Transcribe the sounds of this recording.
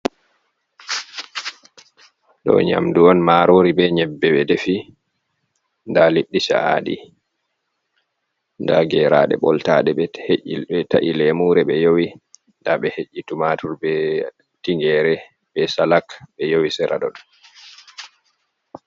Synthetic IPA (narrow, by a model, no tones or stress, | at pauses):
ɗɔ̰ɲa̰mduɔnmaɾoɾibɛɲɛbːɛɓɛdefi | ndaliɗːisa̰aɗḭ | ndaɡɛɾaɗɛ̰ɓɔ̰ltaɗɛɓɛheʔilɓɛtaʔilɛmuːɾɛɓɛjowi | ndaɓɛheʔːitumatuɾbɛ | tiŋɡɛɾɛ | ɓɛsalakɓɛjowisɛɾa̰ɗɔ̰ɗ